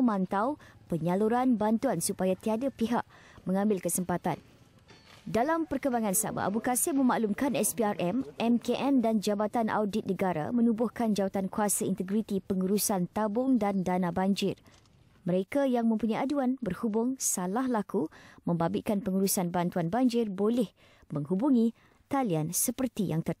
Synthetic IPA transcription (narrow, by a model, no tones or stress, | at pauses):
mãnt̪awpəɲaluɾanbant̪uansupajat̪iadapiɦa̰ʔ | mə̃ŋãmbɪlkəsəmpat̪an | dalampərkəmbaŋãnsa̰ba̰ʔa̰bukasɪmə̃maʔlumkanɛspiarʔɛmʔɛmkeʔɛndand͡ʒabat̪anʔa̰wdit̪̚nə̃ɡaɾa̰mə̃nubʊhkand͡ʒawat̪ankuasaḭnt̪əɡɾit̪ipəŋuɾusant̪abʊŋdandanãbaɲd͡ʒɪr | məɾekajaŋmə̃mpuɲajaduanbərhubʊŋsalahlakumə̃mbabɪkanpəŋuɾusanbant̪uanbaɲd͡ʒɪrbolɛh | mə̃ŋɦubuŋĩ | t̪aliansəpərt̪ijaŋt̪ər